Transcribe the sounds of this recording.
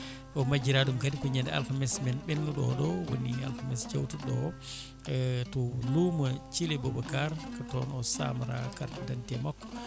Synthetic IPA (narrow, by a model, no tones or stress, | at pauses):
ʔɔmad͡ʒiɾaɗumkadikɔɲandɛa̰lfamɛsmɛnɓɛnːuɗɔ̰ɗɔwo̰nːia̰lfamɛsd͡ʒawtuɗɔ | ɛtɔlumat͡ʃilɛbɔbakaɾkatɔnɔsa̰maɾa̰kaɾtadantiɛmɔkː